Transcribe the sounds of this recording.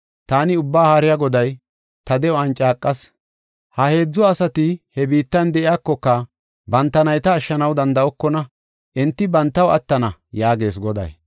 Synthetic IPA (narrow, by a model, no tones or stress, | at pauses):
t̪aːnɪʊbːaːhaɾɪjaɡɔd̪ɐj | t̪ɐd̪ɛɔɐnt͡ʃʼːaːkʼːɐs | hɐhe̞ːd͡zːɔɐsɐt̪ɪhɛbiːt̪ːɐnd̪ɛʔɪjaːkːɔkːɐ | bɐnt̪ːɐnɐjt̪ɐːʃːɐnɐwd̪ɐnd̪ɐʔɔkːɔnɐ | ʔɛnt̪ːɪbɐnt̪ːɐwɐ̰t̪ːɐnɐjaːɡe̞ːsɡɔd̪ɐ̰j